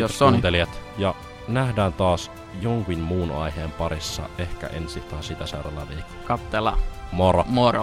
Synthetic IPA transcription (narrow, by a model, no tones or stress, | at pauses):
josont̪eliæt̪jɑ | næhdæːnt̪ɑːs | joŋkinmuːnɑ̰jheːmpɑɾisːɑ̰e̞hkæ̰ʔḛnsit̪hɑːsit̪æseuɾɑlɑʋiːkkɑt̪ːelɑ̰moɾɑmoro